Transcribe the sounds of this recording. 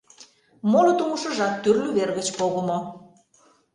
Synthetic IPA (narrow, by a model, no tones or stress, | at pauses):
molot̪umuʃə̆ʒɑt̪ːyrlyβerɣət͡ɕpoɣəmo